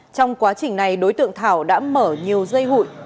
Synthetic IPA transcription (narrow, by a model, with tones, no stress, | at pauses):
t͡ɕɔ˧wŋ͡mkwaː˨˦t͡ɕï˨˩ŋ̟na˨˩jɗo˨˦jt̪ɨ̰˧˨əŋt̪ʰaː˧˩wɗa̰ː˧˥məː˧˩ɲi˨˩əwzə˧jɦṵ˧˨j